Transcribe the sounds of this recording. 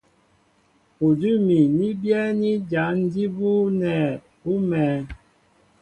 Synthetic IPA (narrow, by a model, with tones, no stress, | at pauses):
u˨du˦mi˨ni˦bjɛ˦ni˦d͡ʒa˨˦n̩˦di˦bu˦nɛ˨ | pu˦mɛː˨˦